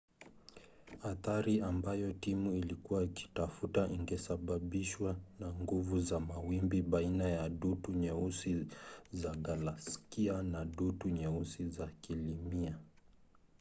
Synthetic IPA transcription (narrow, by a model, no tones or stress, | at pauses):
aθaɾiambajɔtimuilikuwaki̥tafutaʔiŋɡɛsaɓaɓiʃwanaŋɡuvuzamawimbiɓainajaɗutuɲɛusizaɡalaskianaɗutuɲɛusizakilimia